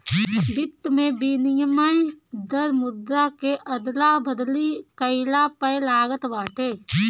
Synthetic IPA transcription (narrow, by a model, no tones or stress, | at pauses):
bɪt̪ːmẽbiːnɪjəmaid̪əɾmʊd̪ɾakeʔɐd̪labʱəd̪likəɪlapəlaːɡət̪ʋaːʈʰeː